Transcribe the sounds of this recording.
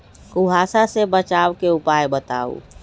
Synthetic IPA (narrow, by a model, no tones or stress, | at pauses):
kuɦaːsasebət͡ʃawkeupajbət̪a̰ṵ